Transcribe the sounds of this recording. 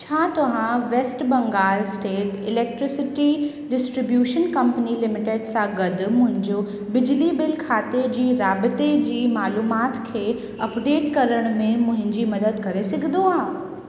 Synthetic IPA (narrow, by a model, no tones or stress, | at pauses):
t͡ɕʰaːt̪ɐʋãʋeːsʈbɐ̃ŋɡaːlsʈeːʈɪleːk̚ʈɾɪsɪʈi | ɖɪsʈɾɪbjuːʃənkɐ̃mpənilɪmɪʈeɖsãɡɐd̪ʱmʊ̃ɦɪ̃ɲd͡ʑo | bɪd͡ʑlibɪlkʰaːt̪ed͡ʑiːɾaːbɪt̪ed͡ʑiːmaːluːmaːt̪kʰeː | ɐpɖeːʈkɐɾəɽ̃mẽmʊ̃ɦɪ̃ɲd͡ʑimɐd̪əd̪kɐɾesɐɡʱd̪oaːɦ